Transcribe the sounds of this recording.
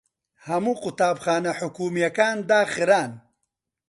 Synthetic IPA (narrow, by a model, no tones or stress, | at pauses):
hɐmuqʊt̪aːbxaːnaħʊkuːmijɐkaːnd̪aːxɪɾaːn